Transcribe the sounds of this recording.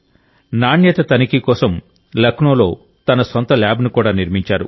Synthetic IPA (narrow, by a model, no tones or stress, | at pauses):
naːɳjɛːt̪ɐt̪ɐnikikɔːsɐm | lɐkɳoːlo̞ː | t̪ɐnɐsont̪ɐlaːbnukuːɽaːniɾmiɲt͡ʃaːɾṵ